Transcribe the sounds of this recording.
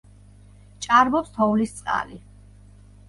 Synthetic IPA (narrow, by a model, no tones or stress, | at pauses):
t͡ʃʼaɾmɔpst̪ʰɔulist̪sʼqʼa̰li